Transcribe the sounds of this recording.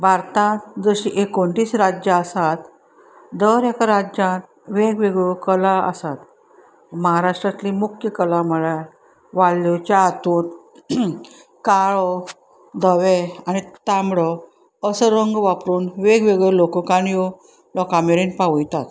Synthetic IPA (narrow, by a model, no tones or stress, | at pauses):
baɾt̪ãt̪d͡zəɕiʔekoɳʈiːsɾad͡ʑjaəsat̪ | d̪əɾɛkaɾad͡ʑãt̪ | ʋeɡʋeɡɔkəlaə̰sat̪ | məɦaɾaʂʈɾat̪limukʰjəkəlaməɭa | ʋalːɔt͡ɕaːt̪un | kaɭɔ | d̪ʱəʋeanit̪ambɽɔ | əsəɾəŋɡʋapɾuːnʋeɡʋeɡlɔkɔkãnjɔ | lɔkãmeɾiːnpaʋujt̪at̪